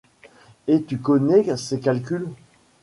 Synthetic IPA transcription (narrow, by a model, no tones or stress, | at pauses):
et̪ykɔnɛsekalkʲyl